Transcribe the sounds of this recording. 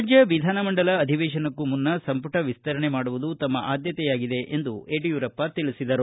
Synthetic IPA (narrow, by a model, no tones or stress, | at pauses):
d͡ʒjɐʋid̪ʱaːnɐmɐɳɖɐlɐːd̪ʱiʋɛːʃɐnɐkːumunːɐsɐmpuʈʰɐʋist̪ɐɾɐɳemaːɽuʋud̪ut̪ɐmːɐʔaːd̪jɐt̪ɛjaːɡid̪e̞ʔʔend̪ueːʈijuːɾɐpːɐt̪iɭisid̪ɐɾu